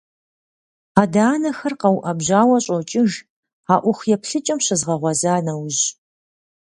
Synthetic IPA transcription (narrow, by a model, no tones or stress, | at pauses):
aːdaːnɐxɐrqɐwʔɐbʑaːwɐɕʼowt͡ʃʼɪʒ | aːʔʷʊxjɛpɬɨt͡ʃʼɐmɕɐzʁɐʁʷɔzaːnɐwʑ